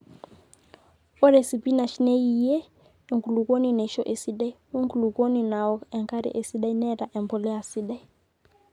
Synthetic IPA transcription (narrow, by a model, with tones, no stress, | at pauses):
ɔ˦ɾɛ˨si˨pi˦na˨ʃi˦nɛ˦ji˨jɛ˦ | ɛ˨ŋku˨lu˨ko˦ni˦nɛ˨˦ʃɔ˦ʔɛ˨si˦ɗa˦i˦wu˦ŋku˨lu˨kɔ˦ni˨na˨ɔ˦ɛ˨ŋka˦ɾḭ˦ʔɛ˨si˦ɗa˦i˦nɛ˦ɾa˨ʔɛ˨mbɔ˨lɛ˦a˨si˦ɗa˦i˦